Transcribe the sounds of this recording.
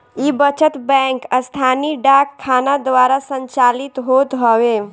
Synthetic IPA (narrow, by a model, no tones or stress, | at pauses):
ibət͡ʃət̪bɛ̃ŋkəst̪ʰaniɖakʰːanad̪ʋaɾasəɲt͡ʃalit̪ɦot̪ɦɔwe